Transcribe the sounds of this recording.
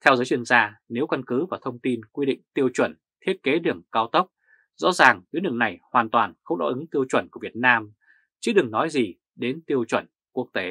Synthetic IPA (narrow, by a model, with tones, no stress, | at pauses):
t̪ʰɛ˧wzəː˨˦jt͡ɕwi˧ənzaː˧ne˨˦wka˧nkɨ˨˦vaː˨˩t̪ʰə˧wŋ͡mt̪i˧nkwi˧ɗḭ˧˨ŋ̟t̪i˧əwt͡ɕwə̰˧˩n | t̪ʰi˦˥t̚ke˨˦ɗɨ˨˩əŋkaː˧wt̪ə˦˥wk͡p̚ | zɔ̰˧˥zaː˨˩ŋzɨ˨˦ɗɨ̰˨˧˩əŋna˨˩jhwaː˨˩nt̪waː˨˩nxə˧wŋ͡mɗɔ̰˧˥ʔɨ˨˦ŋt̪i˧əwt͡ɕwə̰˧˩nku˧˩vi˨˩ət̚naː˧m | t͡ɕɨ˨˦ɗɨ˨˩ŋnɔ˨˦jzi˨˩ | ɗe˨˦nt̪i˧əwt͡ɕwə̰˧˩n | ku˦˥ək̚t̪e˨˦